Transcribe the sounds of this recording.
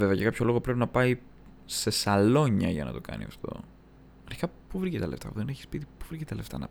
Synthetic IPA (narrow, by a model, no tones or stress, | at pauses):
veveɐʝɐkɐpço̞lo̞ɣo̞pɾe̞pinɐpɐi | se̞sɐlo̞ɲɐʝɐ̰nɐ̰t̪o̞kɐ̰nḭɐ̰ft̪o̞̰ | ɾçi̥kɐpuvɾicet̪eɐle̞̰ft̪ɐ̰puðe̞neçi̥spit̪ipuvɾicet̪ɐle̞ft̪ɐ̰nɐ̰